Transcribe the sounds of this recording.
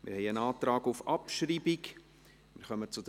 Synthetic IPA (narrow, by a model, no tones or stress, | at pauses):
mʔɪ̰ɾhɛɪənɑːt̪ɾɑːɡufɑpʃriːbɪk | mɪ̰ɾχœmət͡sud̥̪